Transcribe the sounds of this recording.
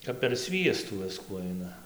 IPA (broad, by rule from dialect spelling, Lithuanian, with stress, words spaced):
kɐp pʲɛr ˈsʲʋʲiɛstuː ˈʋʲɪskuː ˈɐɪnɐ